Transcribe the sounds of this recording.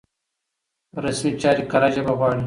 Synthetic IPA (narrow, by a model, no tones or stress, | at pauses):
ɾɐsmit͡ʃaːɾikɐɾaʒɐbɐɣwɑːɽi